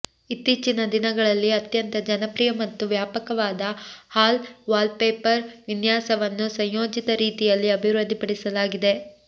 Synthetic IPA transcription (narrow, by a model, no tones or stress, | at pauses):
it̪ːiːt͡ʃinɐd̪inɐɡɐɭɐlːiɐt̪jɐnt̪ɐd͡ʒɐnɐpɾiːjɐmɐt̪ːuʋjaːpɐkɐʋaːd̪ɐhaːlʋaːlpeːpɐɾʋinjaːsɐʋɐnːusɐɲjoːd͡ʒit̪ɐɾiːt̪ijɐlːiɐbʱiɾɐd̪ʱipɐɽisɐlaːɡid̪e̞